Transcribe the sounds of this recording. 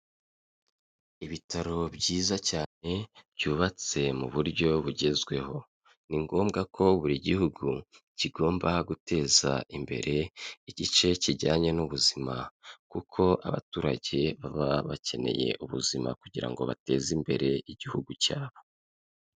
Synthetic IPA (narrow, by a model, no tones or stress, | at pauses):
iβitʰaɾo̞bɟiːzacaːne̞bɟuːβat͡se̞muβuɾɟo̞βuɟe̞zɡwe̞ho̞ | niŋɡo̞ːmɡakʰo̞βuɾiɟihuɡu | ciɡo̞ːmbaɡute̞ːza̰imbe̞̰ɾe̞iɟit͡ʃe̞ciɾɟaːɲe̞nuβuzimakukʰo̞ʔaβa̰tuːɾaɟe̞βaβaβace̞ne̞̰je̞̰ʔuβṵzima̰kuɟiɾa̰ŋɡo̞̰βa̰te̞ːzimbe̞̰ɾe̞iɟihuɡucaːβo̥